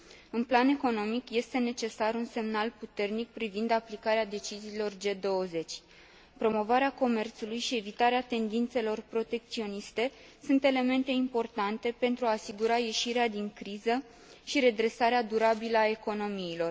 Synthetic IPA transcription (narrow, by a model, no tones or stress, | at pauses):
ɨnplane̞ko̞no̞mikje̞st̪e̞ne̞t͡ʃe̞saɾunse̞mnalput̪e̞rnik̚pɾivind̪aplikaɾead̪e̞t͡ʃiziːlo̞rd͡ʒe̞d̪o̞wəze̞t͡ʃʲ | pɾo̞mo̞vaɾeako̞me̞rt̪sulujʃie̞vit̪aɾeat̪e̞nd̪int̪se̞lo̞rpɾo̞t̪e̞k̚t̪sio̞nist̪e̞ | sunt̪e̞le̞me̞nt̪e̞impo̞rt̪ant̪e̞pe̞nt̪ɾuaːsiɡuɾaje̞ʃiɾead̪iŋkɾizə | ʃiɾe̞d̪ɾe̞saɾead̪uɾabiləae̞ko̞no̞miːlo̞r